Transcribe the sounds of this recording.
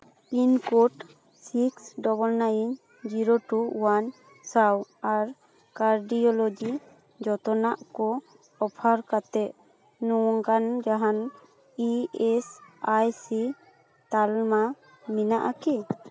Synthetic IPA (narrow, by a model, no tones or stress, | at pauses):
pinkoʈ | siksɖɔbɔlnajiɲ | d͡ʒiɾoʈuwan | sawaɾ | kaɾɖijɔlɔd͡ʒi | d͡ʒɔt̪ɔnaʔkɔ | ɔpʰaɾkat̪ɛʔ | nuwɔŋkand͡ʒaɦan | iɛsajsi | t̪alma | minaʔakɛ